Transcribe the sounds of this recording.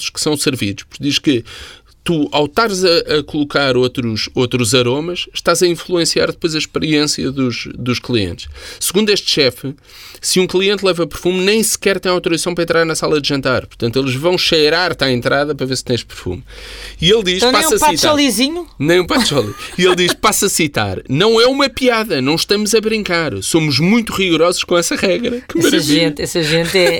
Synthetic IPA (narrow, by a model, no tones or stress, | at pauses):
u̥ʃkɨ̥sɐ̃w̃sɨɾvḭðuʃpuɾkd̪iʃkɨ | t̪uawt̪aɾzɐʔɐkulˠukaɾot̪ɾuʃot̪ɾuzɐɾomɐʃʃt̪azɐĩflˠuẽsiaɾðɨpojzɐʃpɨɾiẽsjɐ̰ðuʃd̪uʃklˠiḛ̃nt̪ʃsɨɣũnd̪ueʃt̪ʃɛfɨ | sɨũklˠiẽnt̪lˠɛvɐpɨɾfumnɐ̃j̃sɨ̥kɛɾt̪ɐ̃j̃awt̪uɾiɐsɐ̃w̃pɾɐẽnt̪ɾaɾnɐsalˠɐðʒɐ̃nt̪aɾpuɾt̪ɐ̃nt̪welˠʒvɐ̃w̃ʃɐjɾaɾt̪aẽnt̪ɾaðɐpɾɐveɾst̪ɐ̃j̃ʃpɨɾfṵmielˠd̪iʃpãɐspaiʃɔlˠiziɲunɐ̃j̃ũpat̪ʃɔlˠḭielˠd̪iʃpasɐsit̪a̰ɾnɐ̃w̃ɛumɐpiaðɐnɐ̃w̃ʃt̪ɐmuzɐβɾĩŋkaɾsomuʒmũj̃t̪uʁiɣuɾɔzu̥ʃkõɛsɐʁɛɣɾɐkɨɛmɐɾɐʒiẽnt̪ɛsɐʒẽnt̪ɛ